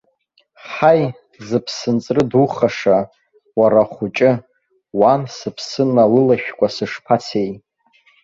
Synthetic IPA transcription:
ħaj | zɨpʰsɨnt͡sʼrɨduχaʂa | waɾaχʷʊt͡ʃʼɪ | wansɨpʰsɨnːalɨlaʃᶣkʷʼasɨʂpʰat͡sʰej

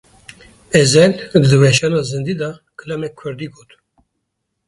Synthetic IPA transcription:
ɛzɛld̪d̪ɨvɛʃɑnɑzɨnd̪id̪ɑkʰɨlɛmɛkkʰɨɾd̪iɡoːt̪

